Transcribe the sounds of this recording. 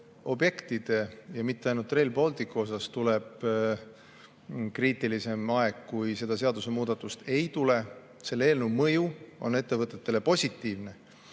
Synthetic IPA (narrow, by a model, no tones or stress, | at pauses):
o̞bje̞kt̪id̪̥e̞jɑmit̪ːˑe̞ɑjnult̪ːˑre̞jlpo̞lt̪ikːuo̞s̬ɑst̪uleb̥ | kriːt̪ˑːilise̞mɑe̞ɡkujse̞d̪̥ɑse̞ɑd̪use̞muːd̪ɑt̪ːˑust̪e̞jt̪ule | se̞lːeeːlnuwmɤjuo̞̰nːe̞t̪ːe̞vɤt̪ːˑe̞t̪ːe̞le̞po̞sʲit̪ːˑiːvne̞